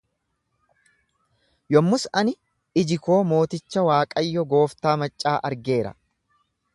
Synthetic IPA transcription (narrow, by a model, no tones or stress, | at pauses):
jɔmːʊsɐnɪ | ɪd͡ʒɪko̞ːmo̞ːt̪ɪt͡ʃːɐwaːkʼɐjːɔɡo̞ːft̪aːmɐt͡ʃʼːaːʔɐɾɡe̞ːɾɐ̰